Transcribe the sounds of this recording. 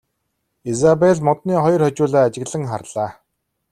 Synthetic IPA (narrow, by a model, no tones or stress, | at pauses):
ezapeɮmɔt̪niːχɔjɞ̆rχɔt͡ɕʊːɮaːat͡ɕɪ̆ɣɮə̆ŋχa̰rɮaː